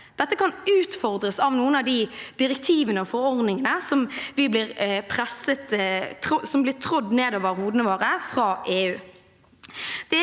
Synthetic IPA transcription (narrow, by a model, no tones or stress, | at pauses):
d̪̥ɛt̪ːəkʰɑnʉːt̪fɔʁd̪ʁəsɑʋnuːənɑʋd̪ɪd̪ɪʁɛk̚t̪ʰiːʋənəɔfɔɾɔɾd̪nɪŋənəsɔmʋɪblɪʁpʰʁɛsət̪ʰʊsɔmblɪʁt̪ʰʁɔd̪neːd̪oːʋəʁhuːd̪ənəʋoːʁəfʁɑːʔeːʉː | d̪̥ɛ